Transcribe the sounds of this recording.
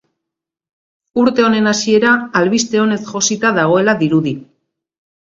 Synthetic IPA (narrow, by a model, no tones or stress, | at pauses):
uɾt̪e̞o̞ne̞nasie̞ɾaːlβist̪e̞o̞ne̞sʝo̞sit̪aðaɣ̞o̞e̞laðiɾuði